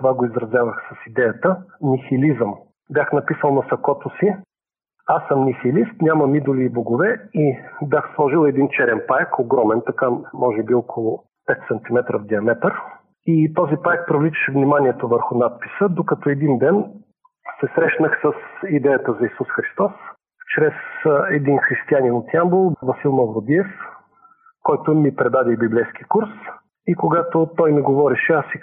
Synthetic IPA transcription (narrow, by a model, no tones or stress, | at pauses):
t̪ovaɡoizɾɐzʲjavəxsɐsid̪ɛjət̪ənʲixilizəm | bʲjaxnɐpisəlˠnɐsɐkɔt̪ʊsi | asːəmnixilist̪nʲamɐmid̪ʊliːboɡovɛibʲjaxslˠɔʒilˠɛd̪int͡ʃɛɾɛnpajkoɡɾɔmɛnt̪ɐkamɔʒɛbiɔkʰolˠʊ | pɛt̪sɐnt̪imɛt̪ɾəvd̪iɐmɛt̪əɾ | it̪ɔzipaɛk̚pɾovlit͡ʃə̥ʃɛvnimaniɛt̪ovəɾxʊnat̪̚pi̥səd̪okɐt̪ɔɛd̪ind̪ɛn | sɛsɾɛʃnəxsəsid̪ɛjət̪əzɐisusxɾist̪ɔs | t͡ʃɾɛsɛd̪inxɾist̪ianinot̪iambolˠvɐsilˠmɐvɾod̪iɛf | kɔjt̪ʊmipɾɛd̪ad̪ibiblɛjsk̟ikuɾs | ikoɡat̪ot̪ɔjmiɡovɔɾɛʃɛasi